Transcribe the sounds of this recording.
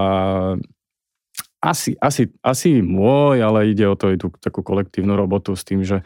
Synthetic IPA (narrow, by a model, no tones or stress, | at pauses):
a | ʔasiʔasiasimʊɔjalɛiɟɛɔt̪ɔɛjt̪ut̪akukɔlɛk̚t̪iːʊnuɾɔbɔt̪ust̪iːmʒɛ